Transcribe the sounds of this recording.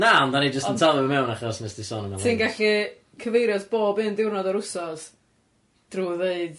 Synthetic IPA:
naɔndanid͡ʒəstəntʰalˠɔəmɛwnaχɔsnɛsdɪsɔnənasɨnɡaɬi | kʰəvejɾjɔsb̥oːbɨndɪwrnɔdɔɾʊsɔs | d̥ruːðeɨð

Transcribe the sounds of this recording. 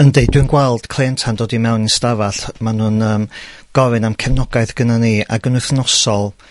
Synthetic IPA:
əndejdwɨnɡwɛlˠd̥kʰl̥ˠeːntʰandoːdimɛwninstavaɬmanuːnəːmɡ̥ɔvɨnamkʰɛvnɔɡaɨθɡ̥ənania̰ɡənʊθnɔsɔlˠ

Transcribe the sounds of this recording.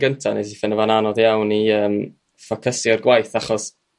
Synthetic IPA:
ɡəntʰanesifɪnəvananɔðjawniəːm | fɔkʰəsiɔrɡwajθaχɔs

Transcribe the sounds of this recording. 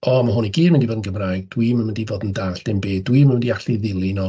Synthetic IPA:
ɔmaɦʊniɡiːdmɪndivoːdn̩ɡəmraːjɡd̥wimənməndivoːdn̩daːɬd̥ɪmbeːdwiːmanməndiaɬiðɪlˠinɔ

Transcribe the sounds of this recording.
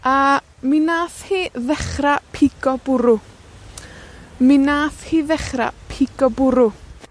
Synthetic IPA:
a | minaːθhiːðɛχrapʰiɡɔb̥ʊɾʊ | minaːθhiːðɛχra̰pʰiɡɔbʊɾʊ

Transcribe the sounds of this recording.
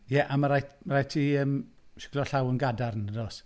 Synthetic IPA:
jɛʔamaɾajtmaɾajtʰiəːm | ʃɪ̥kʰlɔɬawənɡadarnəɾɔs

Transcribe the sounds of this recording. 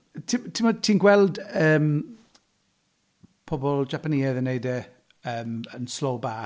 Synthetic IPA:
tʰimtʰimɔtʰiːnɡwɛlˠdəːm | pʰɔbɔlˠd͡ʒapaniːɛðənejdɛ | əːmənslowba

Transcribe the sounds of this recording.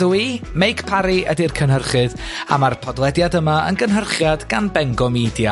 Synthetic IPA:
uimejkpʰaɾiʔədirkʰənɦərχɨð | a̰marpʰɔdlˠɛdjadəmaə̰nɡənɦərχjadɡanbɛŋɡɔmidja

